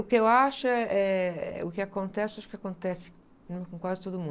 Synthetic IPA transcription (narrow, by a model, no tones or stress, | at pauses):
ʊkɪewaʃʊɛɛʊkɪakõnt̪ɛsɪaʃʊ̥kɪakõnt̪ɛsɪ̥ | nũmɪkõŋkwaɾdzɪt̪od̪ʊmũ